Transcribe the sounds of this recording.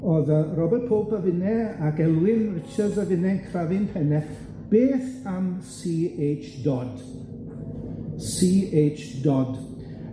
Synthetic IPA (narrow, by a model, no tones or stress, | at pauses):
oðərɔbɛt̚pʰoːpəvɪnɛaɡɛlˠwɪnrɪt͡ʃədzəvɪnɛŋkʰravɪnpʰɛnɛθ | b̥eːθamsiːet͡ʃdɔd | siːejt͡ʃdɔd